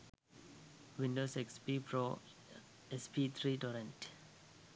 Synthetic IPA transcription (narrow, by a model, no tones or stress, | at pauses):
ʋĩnɖoːsekspipɾo | espit̪ʰɾiːʈɔɾẽnʈ